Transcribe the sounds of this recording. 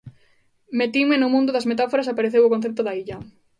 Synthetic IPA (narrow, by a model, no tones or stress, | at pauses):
met̪iŋmenʊmũnd̪ʊðɐsmet̪afoɾasapaɾeθewʊkonθep̚t̪ʊðaiʎɐ